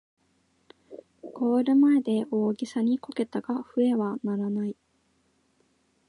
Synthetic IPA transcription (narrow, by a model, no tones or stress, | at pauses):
ɡ̥o̞ːɾɯ̟mae̞d̪e̞o̞ːɡʲisaɲ̟ikoke̞t̪aɡaɸɯ̟e̞βanaɾanai